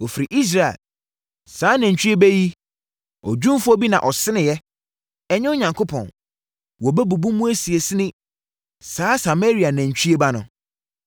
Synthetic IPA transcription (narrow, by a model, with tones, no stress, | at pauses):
wɔ˨fi˨ɾi˨ʔi˦s̬ɾa˨ɛ̰˨l | saː˨˦næ̃˨ɲ˨t͡ɕʰᶣi˦e˦bæ˦ji˦ | ɔ˨d͡ʑᶣũ˦m˦fʊ˦ɔ˦bi˦nã̰˨ʔɔ˨sɪ˦nɪ̃˨jɛ˦ | ɛ˦ɲɪ̃˦ʊ˦ɲã˨ŋkʰo˦pʰɔ̰̃˨n | wɔ˨bæ˦bu˨bũ˦mũ˦æ˦si˨e˨sɪ˦nɪ̃˦ | saː˦sa˨me˦ɾi˨a˨næ̃˨ɲ˨t͡ɕʰᶣi˦e˦ba˦nʊ̃˨